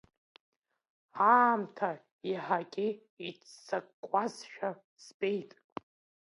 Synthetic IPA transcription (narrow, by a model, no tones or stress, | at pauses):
aːmtʰa | iħakʲʼi | it͡st͡sakʼkʷʼːasʃᶣa | sbʼejtʼ